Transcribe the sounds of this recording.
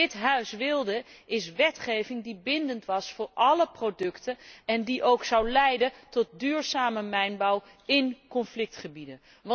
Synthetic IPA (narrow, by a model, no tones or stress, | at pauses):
ɪtɦœɥsʋɪlˠdəɪsʋɛtχejvɪŋdibɪndəntʋɑsfʊːɹʔɑləprodɵktəɛndiʔowksɑwlɛjdəntɔt̚dyːɹzaːməmɛjnbɑw | ɪnkɔnflɪk̚tχəbidən | ʋɑ